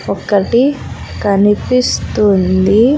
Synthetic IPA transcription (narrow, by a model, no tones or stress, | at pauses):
ɔkːɐʈi | kɐnipist̪und̪i